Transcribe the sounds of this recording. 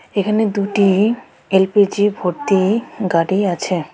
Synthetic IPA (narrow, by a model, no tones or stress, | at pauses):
ekʰaned̪uʈi | elpid͡ʑibʱoɾt̪iɡaɽiat͡ɕʰe